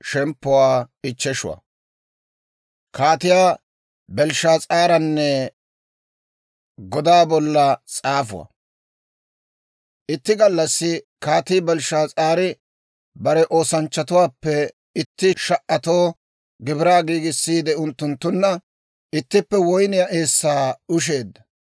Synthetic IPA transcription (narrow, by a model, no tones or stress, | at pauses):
ʃɛmpːʊwaːɪt͡ʃːɛʃʊ̰wɐ̰ | kaːt̪ɪjaː | bɛlʃaːt͡sʼaːɾɐnːɛ | ɡɔd̪aːbɔlːɐt͡sʼaːfʊ̰wɐ̰ | ʔɪt̪ːɪɡɐlːɐsːɪ | kaːt̪ɪːbɛlʃaːt͡sʼaːɾɪ | bɐɾɛʔo̞ːsɐnt͡ʃːɐt̪ʊwaːpːɛ | ɪt̪ːɪʃɐʔːɐt̪o̞ː | ɡɪbɪɾaːɡiːɡɪsːiːd̪ɛʊnt̪ːʊnt̪ːʊnːɐ | ʔɪt̪ːɪpːɛwɔjnɪjaʔeːsːaːʊʃ̬e̞ːd̪ːɐ